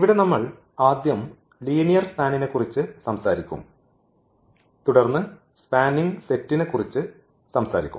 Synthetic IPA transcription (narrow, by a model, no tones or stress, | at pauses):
iʋiɽe̞nɐmːɐɭ | aːd̪jɐm | liːnijɐrspaːnine̞kːurit͡ɕːɨsɐmsaːɾikʲːṵm | t̪uɽɐrnːɨ | spaːniŋɡse̞tːine̞kːurit͡ɕːɨ | sɐmsa̰ːɾikʲːṵm